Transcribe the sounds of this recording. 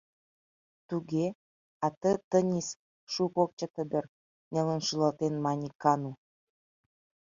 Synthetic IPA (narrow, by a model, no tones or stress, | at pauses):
t̪uɡe | ɑt̪ət̪ə̆nʲis | ʃukok̚t͡ɕə̆t̪ə̆d̪ə̆r | nʲelə̆nʃulɑlt̪enmɑnʲikːɑnu